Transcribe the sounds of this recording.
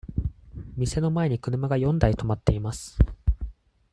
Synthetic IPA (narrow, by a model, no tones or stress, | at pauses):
mʲise̞no̞mae̞ɲ̟ikɯ̟ɾɯ̟maɡajõ̞nd̪ait̪o̞mat̪ːe̞imasɨ̥